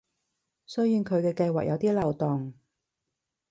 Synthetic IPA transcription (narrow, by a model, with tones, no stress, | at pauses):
sɵ˥jiː˨˧nkʰɵ˨˧ɥkɛː˧kɐ˧jwaː˨k̚jʔɐ˨˧wt̪iː˥lɐ˨wt̪ɔ˨ŋ